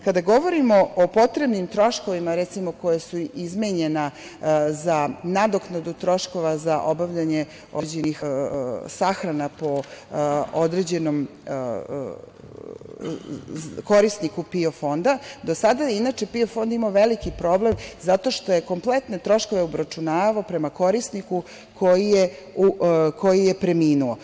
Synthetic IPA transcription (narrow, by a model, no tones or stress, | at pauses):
kad̪aɡo̞ʋoɾimoopo̞t̪ɾe̞bnimt̪ɾo̞ʃkoʋimaɾɛt̪simoko̞jasuizmeɲena | zanad̪oknad̪ut̪ɾo̞ʃko̞ʋazaʔo̞baʋʎaɲe̞ | od͡ʑenix | saxɾanapo̞ | od̪ɾed͡ʑe̞nom | ko̞ɾisnikupiofo̞nd̪ad̪osad̪ainat͡ʃepiofo̞nd̪imaʋelikipɾo̞blemzat̪o̞ʃt̪o̞je̞ko̞mplet̪ne̞t̪ɾo̞ʃkoʋeobɾat͡ʃunaːʋaopɾe̞mako̞ɾisniku | kʰo̞jije | uko̞jijepɾemiːnuo